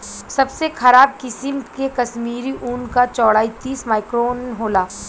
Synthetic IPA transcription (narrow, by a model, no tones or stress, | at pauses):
sɐbsexɐɾaːb̚kɪsɪmkekɐsmiːɾiʔuːnkat͡ʃɔːɽaːit̪iːsmaːɪkɾoːnɦoːlaː